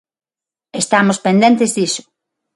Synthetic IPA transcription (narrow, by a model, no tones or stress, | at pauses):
est̪amospend̪ent̪ezðisʊ̥